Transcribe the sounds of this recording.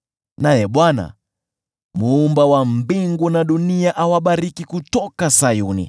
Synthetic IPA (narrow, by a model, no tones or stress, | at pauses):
najɛɓwana̰ | muːmbawambiŋɡunaɗuniaʔawaɓaɾikikutɔkasajunḭ